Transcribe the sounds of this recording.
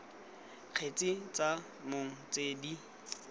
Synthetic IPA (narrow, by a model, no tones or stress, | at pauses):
q͡χʰet͡sʼit͡sʼa | moŋ̩t͡sʼeːdi